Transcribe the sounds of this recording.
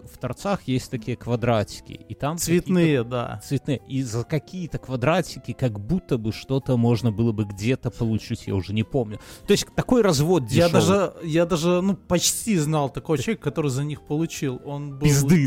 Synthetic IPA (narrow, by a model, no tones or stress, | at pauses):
ft̪ɐrt̪saxjesʲtʲt̪ɐkʲijəkvɐd̪ɾatʲɪ̥kʲɪ̰it̪amsvʲɪt̪nɨjəd̪a̰t̪svʲɪt̪nɨjəʔizəkɐkʲijət̪əkvɐd̪ɾatʲɪkʲɪkɐɡbut̪ːəbɨʂt̪o̞t̪əmo̞ʐnəbɨlˠəbɨɡdʲe̞t̪əpəlˠʊt͡ɕitʲja̰ʊʐɛnʲɪpo̞mnʲʊt̪o̞ɪsʲtʲt̪ɐko̞jrɐzvo̞t̪̚dʲɪjad̪aʐɨjad̪aʐɨnupɐt͡ɕtʲiznɑlˠt̪ɐkojʲekːɐt̪o̞ɾɨjzɐnʲixpəlˠʊt͡ɕilˠo̞nbɨɪzd̪ɨ